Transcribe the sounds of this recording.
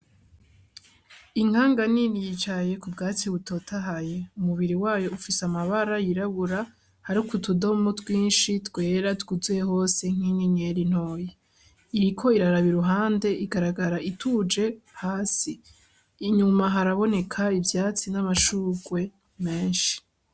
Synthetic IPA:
iŋ̥aːŋɡaninijit͡ʃaje̞kubɡaːt͡siβuto̞tʰaɦaje̞umuβiɾiwaːjo̞ufisamaβaɾajiɾaβuɾa | haɾukutudo̞motwiːnʃitwe̞ːɾatɡuzujeho̞ːse̞ŋ̥iniɲe̞ɾin̥ho̞ːje | iɾikʰo̞iɾaɾaβiɾuɦaːnde̞ʔiɡaɾaɡaɾaʔitʰud͡ʒe̞haːsiː | ɲumaɦaɾaβo̞ne̞kʰaivjaːt͡sinamaʃuːɡwe̞ | me̞ːnʃi̥

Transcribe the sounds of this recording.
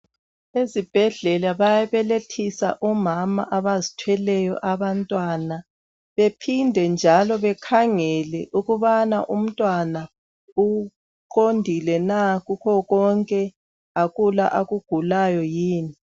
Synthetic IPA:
ezib̥ʱɛɮɛlaβajaβɛletʰisa̰ʔɔmama̰ʔaβazitʰwɛlɛjɔ̰ʔaβantʼwana | βepʰindʱɛnd͡ʒʱalɔβɛkʰaŋɛlɛʔuɣuβanaʔum̩tʼwana | u | ǃondʱilɛnaɣukʰɔɣɔŋkʼɛ | aɣula̰ʔaɣuɡ̥ʱulajɔjiːni

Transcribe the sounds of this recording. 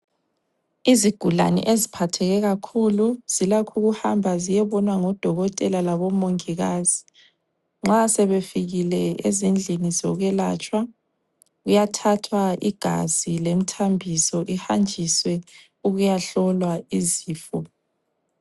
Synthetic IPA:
iziɡ̥ʱula̰nɛ̰ʔezipʰatʰɛɣɛɣakʰuluz̥ilakʰuɣuhambʱazijɛβɔnwaŋɔd̥ʱɔɣɔtʼɛlalaβɔmoŋiɣaːz̥i | ŋ͡ǁasɛβefiɣilɛezind͡ɮʱinizɔɣwɛlat͡ʃʼwa | ɣujatʰatʰwaʔiɡ̥ʱa̰z̥ilem̩tʰambʱisɔʔihand͡ʒʱiswɛ | uɣujaɬɔlwaiziːfɔ

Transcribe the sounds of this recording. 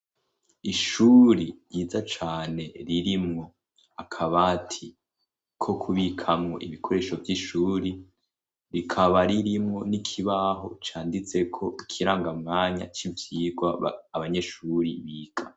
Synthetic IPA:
iʃuːɾijiːd͡zat͡ʃaːne̞ɾiɾimŋo̞ | akʰaβatʰi | kʰo̞kʰuβikʰamŋo̰ʔiβikʰo̞ɾe̞ːʃo̞vjiʃuːɾi | ɾikʰaβaɾiɾimŋo̞nikʰiβaɦo̞̰t͡ʃaːndit͡se̞kʰo̞ikʰiɾaːŋɡamŋaːɲa̰t͡ʃivjiːɡwa̰ːβaɲe̞ʃuɾiβiːɡḁ

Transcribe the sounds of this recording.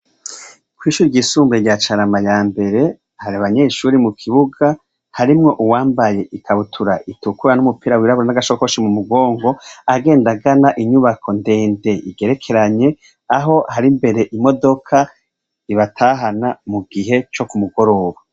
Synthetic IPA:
kwiːʃuːɾiɟisuːmbeɾɟat͡ʃaɾamajaːmbe̞ɾe̞ | haɾiaβaɲe̞ʃuːɾimukʰiβuɡa | haɾimŋo̞ʔuwaːmbaje̞ʔikʰaβutʰuɾaʔitukuɾanumupiːɾawiɾaβuɾanaɡaʃokoʃimumuɡo̞ːŋɡo̞aɡe̞ːndaɡanaʔiɲuβakʰo̞nde̞ːnde̞iɡe̞ɾe̞kʰe̞ɾaɲe̞ | aɦo̞haɾimbe̞ɾe̞ʔimo̞do̞kʰa | iβatʰaːɦanamuɡiɦe̞t͡ʃo̞kumuɡo̞ɾo̞βa

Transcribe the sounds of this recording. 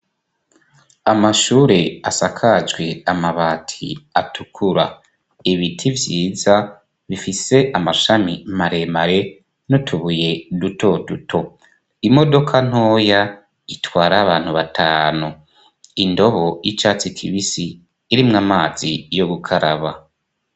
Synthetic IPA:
amaʃuːɾe̞asakʰad͡ʒɡwe̞amaβaːtʰḭatukʰuɾa | iβitʰivjiːza | βifise̞ʔamaʃamimaɾe̞maɾe̞ | notʰuβuje̞dutʰo̞dutʰo̞ | imo̞do̞kʰan̥o̞ːja | itwaːɾaːβaːn̥huβatʰaːnu | indo̞βo̞jit͡ʃaːt͡sikʰiβisiː | ɾimŋamaːz̥ijo̞ɡukʰaɾa̰βa

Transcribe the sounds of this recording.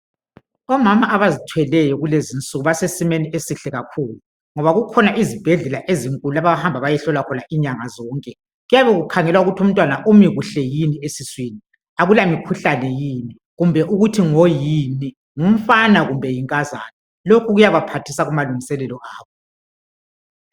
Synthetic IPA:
ɔmamaʔaβazitʰwɛlɛjɔɣulezint͡sʼuɣuβasesimeniesiɬɛɣakʰuːlu | ŋɔβaɣukʰɔnaʔizib̥ʱɛɮɛlaʔeziŋkʼululaβaβahambʱaβajɛɬɔlwakʰɔnaʔiɲaŋazɔːŋkʼɛ | ɣujaβɛɣukʰaŋɛlwauɣutʰum̩tʼwanaʔumiɣuɬɛjiniesiswini | aɣulamikʰuɬanɛjini | ɣumbʱɛʔuɣutʰiŋojini | ŋum̩fanaɣumbʱɛjiŋkʼaza̰ːnɛ | lokʰuɣujaβapʰatʰisaɣumaluŋisɛlɛlɔʔaːβɔ

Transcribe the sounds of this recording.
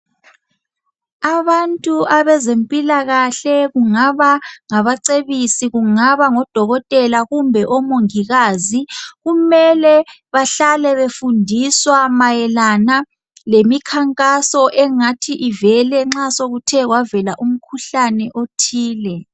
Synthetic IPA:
aβantʼuaβɛzempʼilaɣaɬɛɣuŋaβaŋaβaǀeβisiɣuŋaβaŋɔd̥ʱɔɣɔtʼɛlaɣumbʱɛʔɔmoŋiɣaːziɣumɛlɛ | βaɬalɛβefundʱiswamajɛlana | lemikʰaŋkʼasɔʔɛŋatʰiʔivɛlɛŋ͡ǁasoɣutʰɛɣwavɛlaʔum̩kʰuɬanɛʔotʰiːlɛ

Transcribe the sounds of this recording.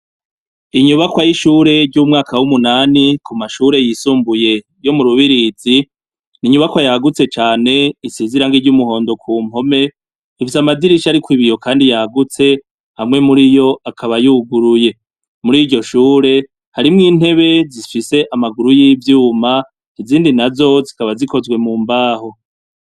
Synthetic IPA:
iɲuβakwajiʃuːɾe̞ɾɟuːmŋaːkawumunaːnikumaʃuɾe̞jisuːmbuje̞ | jo̞muɾuβiɾizi | niɲuβakwajaɡut͡se̞t͡ʃaːne̞iseːziɾaŋɡiɾɟumuɦo̞ːndo̞kʰuːm̥o̞me̞ | ifisamadiɾiʃaɾikwiβijo̞kʰaːndijaɡut͡se̞ | hamŋe̞muɾijo̞ʔakʰaβajuɡuɾuje̞ | muɾiːɟo̞ʃuːɾe̞ | haɾimŋiːn̥he̞βe̞zifise̞ʔamaɡuɾujivjuːma | niziːndinazo̞zikaβazikʰo̞zwe̞muːmbaːho̞

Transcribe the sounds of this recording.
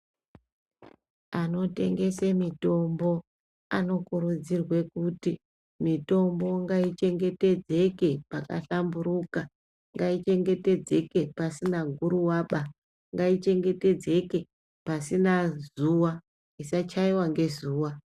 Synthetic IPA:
ano̞te̞̰ŋɡe̞semito̞mbo̞ | ano̞kuɾud͡zirwe̞kuti | mito̞mbo̞ŋɡait͡ʃe̞ŋɡe̞te̞d͡ze̞ke̞paka̰ɬambuɾuka | ŋɡait͡ʃe̞ŋɡe̞te̞d͡ze̞ke̞pasinaɡʱuɾuwaːɓa | ŋɡait͡ʃe̞ŋɡe̞te̞d͡ze̞ke̞ | pasinazuwa | isat͡ʃaiwaŋɡe̞zuːwa

